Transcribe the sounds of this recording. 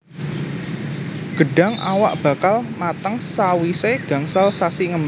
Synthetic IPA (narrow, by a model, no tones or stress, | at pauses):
ɡ̥əɖa̤ŋa̰wa̰ʔb̥a̤kalmat̪əŋsawiseɡ̥ä̤ŋsalsasiŋəm